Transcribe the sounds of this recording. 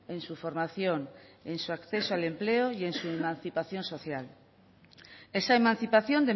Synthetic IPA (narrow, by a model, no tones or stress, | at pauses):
ẽnsufoɾmaθjoŋẽnsuakθesoalempleoiensuemãn̟θipaθjõnsoθjal | esaemãn̟θipaθjõnd̪e